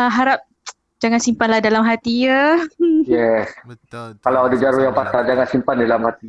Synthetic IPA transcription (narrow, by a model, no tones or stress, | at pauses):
aɦaɾap̚ | d͡ʒaŋansimpanlahdalamɦat̪ijə | jɛskalawadad͡ʒaɾujaŋpat̪ad͡ʒaŋansimpandalamhat̪i